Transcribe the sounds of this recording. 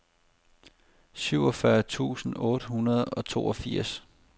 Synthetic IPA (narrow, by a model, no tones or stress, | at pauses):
syʊ̰ɒ̽fɶɐt͡sʰṵːsn̩ɔ̽ːɾ̥əhunɐð̞̩ˠɒ̽t͡sʰo̝̰ːɒ̽fiɐ̰s